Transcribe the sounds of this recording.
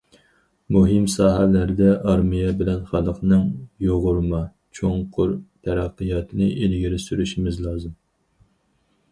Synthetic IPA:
muɦɪmsɑːɦælæɾd̪ɛʔɑɾmijɛbɪlɛnχɑlˠəqnɨŋjoʁʊɾmɑ | t͡ʃʰoŋqʰʊɾt̪ʰɛɾæqːɨjɑt̪ʰɨnɨʔelɡʲiɾɪsyɾyʃimɪzlˠɑːzɨm

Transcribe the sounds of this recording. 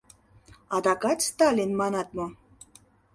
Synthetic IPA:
ɑd̪ɑkɑt̪st̪ɑlʲinmɑnɑt̪̚mo

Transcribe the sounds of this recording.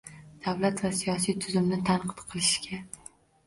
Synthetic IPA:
d̪̥avlat̪vasijɒsijt̪ʰʊzʊmnɪt̪ʰanqʰɨ̥t̪qʰɨlˠɪʃɡʲa

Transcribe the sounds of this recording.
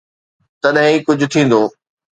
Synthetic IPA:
t̪ɐɗɦĩkʊd͡ʑʱʊ̆t̪ʰĩːn̆d̪oː

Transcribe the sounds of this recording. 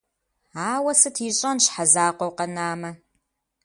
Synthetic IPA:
aːwɐsɨtʰiːɕʼɐnɕħazaːqʷɔwqɐnaːmɐ

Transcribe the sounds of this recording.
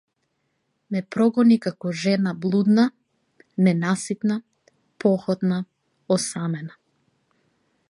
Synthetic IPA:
mɛpɾɔɡɔnikakɔʒɛnablˠud̪na | nɛnasit̪na | pɔxɔt̪na | ɔsamɛna

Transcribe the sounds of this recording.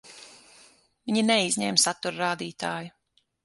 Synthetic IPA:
viɲinɛizʲɲɛːmsat̪uɾɾaːd̪iːt̪aːju

